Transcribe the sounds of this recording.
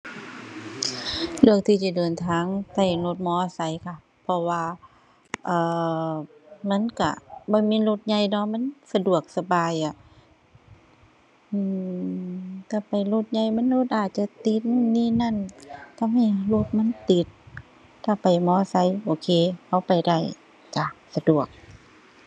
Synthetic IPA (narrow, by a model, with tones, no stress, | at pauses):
lɯ˧˩ək̚t̪ʰiː˧˩siː˧˩dɤː˨˩nt̪ʰaː˧˦ŋt̪a˧˩jlo˧˩t̪̚mɔː˧˦˧sa˨˧˦jkʰa˧˩ | pʰɔ˧waː˧ | ʔaː˨˩ | ma˧˥˨nka̰˧˩bɔː˧˦miː˧˥˨lo˧t̪̚ɲa˧˩jnɔ˧˥ma˧˥˨nsa˧du˨˩ək̚sa˧baː˨jʔa˧˨ | ʔɯː˧˩ | t̪ʰa˧˩pa˨jlo˧t̪̚ɲa˧˩jma˧˥˨nlo˧t̪̚ʔaː˨˩t̪̚t͡ɕa˧t̪i˧˦t̪̚n˧niː˧˨na˧˨nt̪ʰa˧ma˧˩˨lo˧˩t̪̚ma˧˥˨nt̪i˧˦t̪̚ | ka˧˩pa˨˩jmɔː˧˥˧sa˧˦jʔoː˨˩kʰeː˧˨ha˧˩wpa˨˩jda˧˩j | ka˧˩sa˧du˨˩ək̚